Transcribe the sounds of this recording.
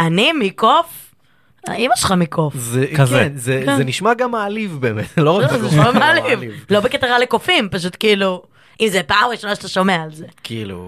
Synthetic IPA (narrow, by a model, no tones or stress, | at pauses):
animikof | a̰imaʃχamikʰofzekenzekzeniʃmaɡamaːlivbeːmet̪loazamaːlivvlo̞beket̪aʁalekofimpaʃ̬ut̪kiiːlu | ʔimzepaːmʁiʃo̞naʃet̪aʃomeaːlzekiilṵ